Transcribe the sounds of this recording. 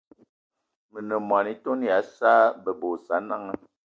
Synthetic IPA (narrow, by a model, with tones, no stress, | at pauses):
mə˨nə˨mwa˨ni˦to˦n˦ja˨˦sa˦bə˨bo˨sa˨˦na˦ŋə˦